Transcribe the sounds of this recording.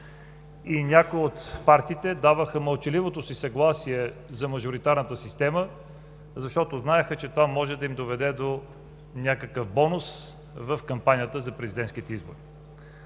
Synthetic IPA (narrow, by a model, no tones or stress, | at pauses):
inʲakoiot̪paɾt̪iːt̪ɛd̪avəxəməlˠt͡ʃilivot̪osisɐɡlˠasiɛzɐmɐʒʊɾit̪aɾnət̪əsist̪ɛmə | zɐʃt̪ɔt̪oznaɛxət͡ʃɛt̪ovamɔʒɛd̪ɐimd̪ovɛd̪ɛd̪o | nʲakəkəfbɔnos | vəfkɐmpanʲijət̪əzɐpɾɛzid̪ɛnt̪sk̟it̪ɛizbo̰ɾi